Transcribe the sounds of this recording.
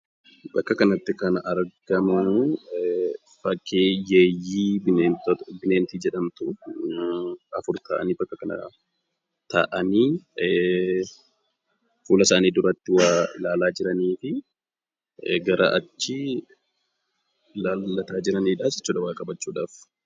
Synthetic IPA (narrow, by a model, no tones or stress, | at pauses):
bɐkːɐkɐnɐt̪ːɪkɐnɐʔɐɾɡɐmɐn | fɐkːeːjeːjːiːbɪebɪneːnt̪iːd͡ʒɛᶑɐmt̪ʊ | ɐfʊɾt̪a̰ːʔɐ̰niːbɐkːɐkɐnɐ̰ | t̪ɐ̰ʔɐniː | fuːlɐsaːniːd̪ʊɾɐt̪ːɪwalaːlaːd͡ʒɪɾɐniːfɪ | ɡɐɾʔɐ̰ʔɐt͡ʃːɪ | laːlːɐt̪aːd͡ʒɪɾɐniːᶑaːsɪ̥t͡ʃːuːᶑɐwaːkʼɐbɐt͡ʃːuːᶑaːf